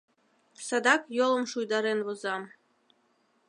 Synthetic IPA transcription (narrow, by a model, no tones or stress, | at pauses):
sɑd̪ɑkjolˠə̆mʃujd̪ɑɾenβŏzɑm